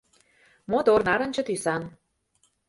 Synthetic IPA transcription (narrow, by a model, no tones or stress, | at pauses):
mot̪ornɑɾɤ̆nʲt͡ɕɤ̆t̪ysɑn